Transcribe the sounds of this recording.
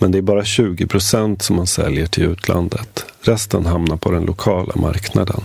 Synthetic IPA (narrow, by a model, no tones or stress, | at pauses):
mɛnd̪ɛæɾbɑːɾaɕʉ̟ːɡɪpʰɾʊsɛnt̪sɔmːansɛ̰ljəʈʰɪlʉ̟ːt̪ʰlʔa̰nd̪ət̪ɾɛst̪ənɦamnaɾpʰɔd̪ɛnlʔʊkʰɑːlʔa̰mʔa̰ɾknad̪ə̰n